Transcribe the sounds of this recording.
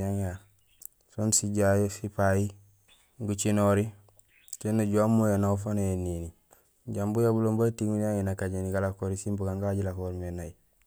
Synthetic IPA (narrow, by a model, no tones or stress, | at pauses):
aŋa | sonsiɟajosipaji | ŋɡut͡ʃinoɾi | senːuɟuamːujanaufanoenini | ɟambujabuloːmbatiŋuɲaŋenakaɟeniɡalakoːɾisimbuɡaŋɡaɟilakoɾmenai